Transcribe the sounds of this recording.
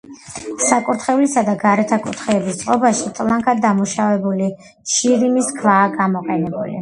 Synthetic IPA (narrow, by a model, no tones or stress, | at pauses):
sakʼuɾt̪ʰχɛulisad̪aɡaɾɛt̪ʰakʼut̪ʰχɛːbist̪sʼqʼɔbaʃit̪ʼlˠaŋkʰad̪d̪ːamuʃavɛbuli | ʃiɾimiskʰvaːɡamɔqʼɛnɛbṵlḭ